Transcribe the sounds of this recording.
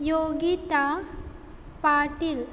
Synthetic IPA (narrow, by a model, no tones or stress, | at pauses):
joːɡit̪a | paːʈil